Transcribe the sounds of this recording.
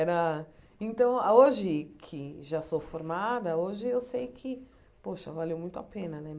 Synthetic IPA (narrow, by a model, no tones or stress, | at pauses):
ɛɾɐ | ẽnt̪ɐ̃w̃oʒɪkʰɪʒasofoɾmad̪ɐoʒɪewsejkʰɪ | poʃɐvaliewmũj̃t̪ʊa̰pẽnɐnɛ